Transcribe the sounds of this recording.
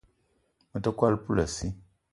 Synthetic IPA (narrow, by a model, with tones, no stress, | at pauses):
mə˨ta˦kwa˦lpu˦la˨si˦